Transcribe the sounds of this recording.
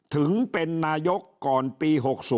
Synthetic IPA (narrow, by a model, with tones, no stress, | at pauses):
t̪ʰɯ˩˦ŋpe˧nːaː˧jo˦˥kːɔː˨˩npiː˧ɦo˨˩k̚suː˨˦